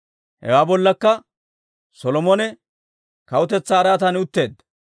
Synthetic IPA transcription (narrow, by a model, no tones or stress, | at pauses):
hɛ̰waːbɔlːɐkːɐ | sɔlɔmɔnɛ | kɐwʊt̪ɛt͡sːaːɾaːt̪ɐnɪʊt̪ːe̞ːd̪ːɐ